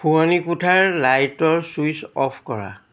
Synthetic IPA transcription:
pʰuanikutʰaɹlajtɔɹswuisɔpʰkɔɹa̰

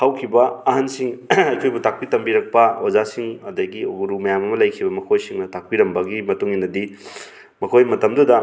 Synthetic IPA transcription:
hawkʰibɐːɦansiŋɐjkʰojbutak̚pitɐmbiɾɐk̚pɐozasiŋɐdɐɡioɡuɾumɐjamɐmɐlɐjkʰibɐmɐkʰojsiŋnɐtak̚piɾɐmbɐɡimɐtuŋinɐdi | mɐkʰojmɐtɐmdudɐ

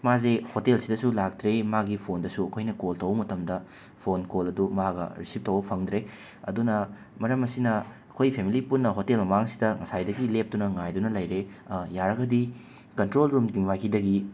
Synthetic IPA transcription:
mazehotelsidɐsulak̚tɾemaɡipʰondɐsuɐkʰojnɐkoltɐwmɐtɐmdɐ | pʰonkolɐdumaɡɐ̰ɾisip̚tɐwbɐpʰɐŋdɾe | ɐ̰dunɐ | mɐɾɐmɐsinɐɐkʰojpʰemilipunːɐɦotelmɐmaŋsi̥dɐŋɐsajdɐɡilep̚tunɐŋajdunɐlɐjɾejaɾɐɡɐdi | kɐntɾolɾumɡiŋwajkʰidɐɡi

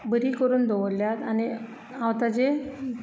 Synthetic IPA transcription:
bəɾiːkəɾuːnd̪ʱoʋəljat̪añi | aʋt̪ad͡ʑe

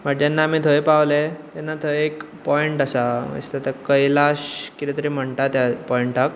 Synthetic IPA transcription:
m̤aʈd͡ʑanːamiːt̪ʰəjpawlet̪anːat̪ʰəjek | pɔiɳʈasamə̰st̪at̪akəjlaɕkit̪it̪əɾim̤əɳʈ̪at̪japɔiɳʈak

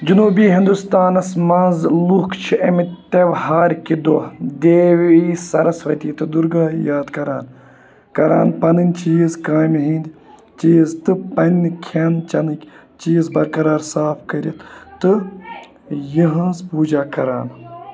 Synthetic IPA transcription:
d͡ʒunuːbiːɦind̪ust̪aːnɐsmɐ̃ːnzlukʰt͡ʃʰiɐmit̪eʋhaːɾkid̪oːd̪eːʋiːsɐɾɐsʋɐt̪iːt̪ɨd̪uɾɡaːjaːd̪kɐɾa̰ːn | kɐɾa̰ːnpɐnɨnʲt͡ʃiːzkaːjmɦĩnʲd̪ʲ | t͡ʃiːzt̪ɨpɐnʲkʲʰɐnt͡ʃɐnɨkʲ | t͡ʃiːzbɐɾkɐɾaːɾsaːfkɐɾʲit̪t̪ɨ | jiɦɐ̃nzpuːd͡ʒaːkɐɾa̰ːn

